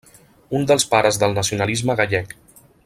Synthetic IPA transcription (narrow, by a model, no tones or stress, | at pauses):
und̪əlˠspaɾəzðəlˠnəsiunəlizməɣaʎɛk